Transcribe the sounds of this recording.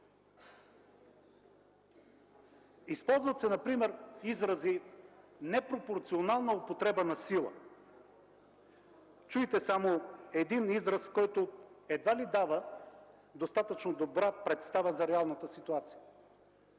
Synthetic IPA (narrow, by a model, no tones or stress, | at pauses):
ispɔlˠzvət̪sɛnɐpɾimɛɾizɾɐzi | nɛpɾopoɾt̪sionalˠnɐopot̪ɾɛbənɐsilˠə̰ | t͡ʃuit̪ɛsamoɛd̪inizɾɐskɔjt̪oɛd̪valid̪avə | d̪ost̪at̪ət͡ʃnod̪obɾapɾɛt̪st̪avəzɐɾɛalˠnət̪əsit̪uat̪si̥jə